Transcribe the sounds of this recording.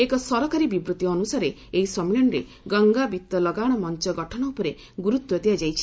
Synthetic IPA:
ekɔsɔɾɔkaɾibibɾut̪iɔnusaɾe | eɦisɔmilɔɳɾe | ɡɔŋɡabit̪ɔlɔɡaɽ̃ɔmɔnt͡ʃɔɡɔʈʰɔɽ̃ɔupɔɾe | ɡuɾut̪wɔt̪iad͡ʒajt͡ʃʰi̥

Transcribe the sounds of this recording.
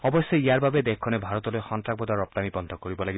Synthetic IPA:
ɔbɔsɔjiaɾbʱabed̪ekʰːɔnebʱaɾɔt̪ɔlojxɔntɾabɔd̪aɾɔp̚t̪amibɔnd̪ʱɔkoɾibɔlaɡi

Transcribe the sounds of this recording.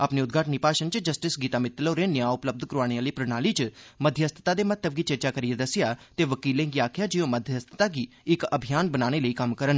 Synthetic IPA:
aːpniːʊd̪̚ɡʱaːʈəniːpaːʃənt͡ʃd͡ʒəsʈɪsɡiːt̪aːmɪt̪loːɾeːnɪjãːʊpləb̚d̪ʱkəɾuaːɽ̃ealəiːpɾəñaːliːt͡ʃməd̪ʱjəəst̪ə̥t̪aːd̪eːmət̪ːəb̚ɡiːt͡ʃəɾt͡ʃaːkəɾied̪əsɪjaːt̪eːʋəkiːlẽːɡiaːkʰɪjaːd͡ʒiõːməd̪ʱjəəst̪ʰə̥t̪aːɡiː | ɪkəbʱijaːnbənaːɽ̃eːləiːkɐmkəɾən

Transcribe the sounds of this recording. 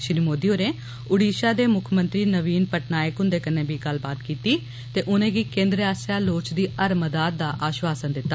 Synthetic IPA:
ʃɾiːmoːd̪iːoːɾẽː | ʊɽiːʃaːd̪eːmʊkʰmənt̪ɾiːnəʋiːnpəʈnaːjəkɦʊ̃nd̪eːkənẽːbʱiːɡəlbaːt̪kiːt̪iː | t̪eːʔʊnẽːɡiːkẽːnd̪ɾaːsaːloːt͡ʃd̪iːəɾməd̪aːd̪̚d̪aːʔaːʃwaːsənd̪ɪt̪ːaː

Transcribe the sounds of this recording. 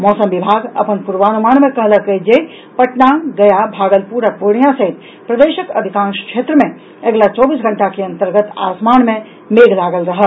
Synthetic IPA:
mɔːsəmʋibʱaːɡə̰pənpuɾʋaːnumaːnmẽkəɦləkəd͡ʒe | pəʈnaɡəjabʱaːɡəlpuɾəpoɽ̃ijãsəɦit̪ | pɾəd̪eːʃəkə̰d̪ʱikãːnskʃʰeːt̪ɾəmẽ | əɡlat͡ʃɔːbiːsɡʱəɳʈakeə̃nt̪əɾɡət̪a̰ːsmaːnmẽ | meːɡlaːɡəlɾɐɦə

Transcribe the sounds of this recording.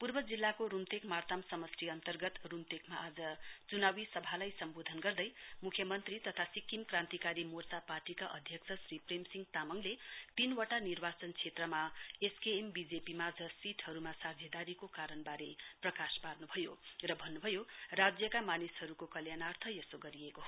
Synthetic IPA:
purbʌd͡zilːakoɾumt̪ekmart̪amsʌmʌsriʌnt̪ʌrɡʌt̪rumt̪ekmaʔad͡zʌt͡sunawisʌbʱalajsʌmbod̪ʱʌnɡʌrd̪ʌjmukʰjʌmʌnt̪rit̪ʌt̪ʰasikːimkrãnt̪ikaɾimort͡saparʈikaʔʌd̪ʱjʌksʰʌsripremsiŋɡt̪amʌŋlet̪inwʌʈanirbat͡sʌnt͡sʰet̪rʌmaeskeembid͡zepimaːd͡zʌsiʈʰhʌɾumasad͡zʱjʌd̪aɾikokaɾʌnbaɾeprʌkasparnubʱʌjorʌbʱʌnːubʱʌjorad͡zjʌkamanishʌɾukokʌljanart̪ʰʌjʌsoɡʌɾieko

